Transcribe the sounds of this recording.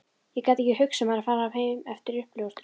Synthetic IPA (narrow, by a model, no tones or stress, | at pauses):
jɛkaːt̪ɛhcɪhʏksɛmaðɾaðfaːɾaːvheːjmɛft̪ɪɾʏhploɣʏst̪ʏ̥